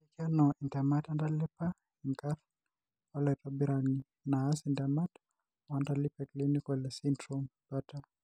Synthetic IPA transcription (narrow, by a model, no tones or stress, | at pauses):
ikianɔʔintamatandalɛpa | iŋkaɾ | ɔlɛtɔbiɾani | naːsintamat | wandalipɛklinikɔlɛsindɾɔmkata